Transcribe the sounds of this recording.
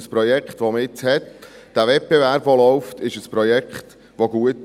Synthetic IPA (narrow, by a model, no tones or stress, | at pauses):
əspɾɔjɛkχt̪ʋoməɪt͡shɛt̪d̥ævɛt̚b̥ɛvæɾb̥ʋolɔwft̪ɪʃəspɾɔjɛkχt̪ | ʋoɡuət